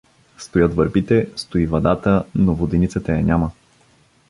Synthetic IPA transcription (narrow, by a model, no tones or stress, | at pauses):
st̪ojɤt̪vɐɾbit̪ɛst̪oivɐd̪at̪ənovod̪ɛnit̪sət̪əjɐnʲamə